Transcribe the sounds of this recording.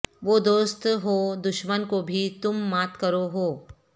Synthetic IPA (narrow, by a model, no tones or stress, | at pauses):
ʋoːd̪oːst̪ɦod̪ʊʃmənkobʱit̪ʊmːaːt̪kɐɾoɦoː